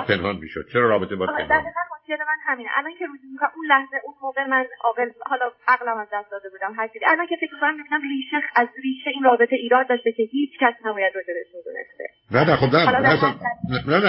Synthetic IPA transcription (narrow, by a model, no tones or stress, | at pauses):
pʰe̞nhɒnmḭʃod̪̥̚t͡ʃʰeɾɒːɾɒːbet̪ebɒd̪æɾʁiːɣælot̪keɾe̞mænhæmiːneʔæ̰lɒncʰe̞ɾuːzimikʰomunlæhze̞ʔunmoːɣe̞mænɒ̰ːɣelhɒːlɒʔæɣlæmæzd̪æst̪d̪ɒːd̪e̞buːd̪æmɦæɾt͡ʃʰid̪iʔælɒncʰefecʰʲmikʰonæmːibiːnæmriːʃeæzriːʃeiːnrɒːbe̞t̪ʰeʔiːɾɒːd̪d̪ɒːʃd̪e̞cʰʲe̞hiːt͡ʃʰcæsnæbɒːjæd̪rod͡ʒed̪eʃmid̪ṵnḛst̪ḛ | nænæxobnælɒæsnnænæ